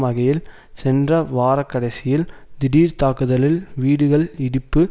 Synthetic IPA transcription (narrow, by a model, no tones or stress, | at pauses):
mɐɣɐjɪl | sɛndrɐʋaːɾɐkːɐɽɐɪsɪjɪld̪ɪɽiːɾt̪aːkɯðɐlɪlʋiːɽɯɣɐɭɪɽɪpːɯ